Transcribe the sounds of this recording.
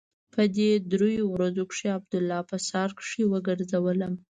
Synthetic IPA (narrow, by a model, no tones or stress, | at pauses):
pʰəd̪ed̪ɾojowɾazokʂeab̚d̪ʊlːɑpəsɑɾkʂiwəɡəɾzawələm